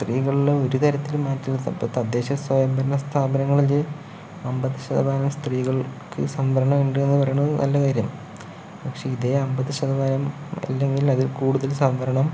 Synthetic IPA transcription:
st̪riːɣɐɭieo̞ɾut̪ɐɾɐt̪ːilmaːtːilt̪ɐpːoːt̪ɐd̪ːe̞ːɕɐsʋɐjɐmbɐɾɐnɐst̪ʰaːbɐnɐŋːɐɭil | ɐmbɐðɨɕɐðɐbaːnɐmst̪riːɣɐɭkɨ̰sɐnʋɐɾɐɳɐmeɳɖɨe̞nːɨpɐrɐjuɳnɐ̰lːɐkaːɾjɐm | pɐkʂe̞ːiðeɐmbɐðɨɕɐðɐbaːnɐm | ɐ̰lːe̞ŋɡilɐðilkuːɽuðɐlsɐmʋɐɾɐɳɐm

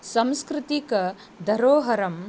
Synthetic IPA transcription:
sɐ̃mskɾɪt̪ikɐ | d̪ʱɐɾoːɦɐɾɐm

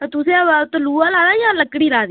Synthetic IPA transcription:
t̪ʊsẽaʋat̪oluːaːlaːdaːjãːləkːɽiːɾaːd̪i

